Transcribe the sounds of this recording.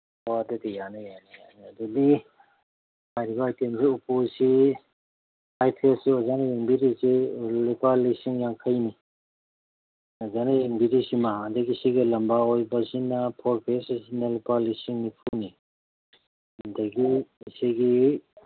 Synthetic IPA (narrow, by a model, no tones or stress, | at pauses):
wadadejanajanijaniadɔdi | hajɾibaajtemsiupusi | hajpʰesiɔzanajiŋbiɾisilipalisiŋjaŋkʰəjni | ɔzanajiŋbiɾisimaɦandaɡisiɡilɐmbaɔjbasinapʰɔɾpʰessinalipalisiŋnipʰuni | ndaɡisiɡi